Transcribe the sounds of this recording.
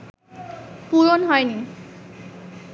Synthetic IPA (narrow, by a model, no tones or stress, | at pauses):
puɹonɦɔjni